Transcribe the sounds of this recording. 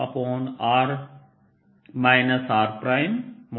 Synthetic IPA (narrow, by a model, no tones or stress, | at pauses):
a̰poːnaːɾ | maːjnɐsaːɾpɾaːjmm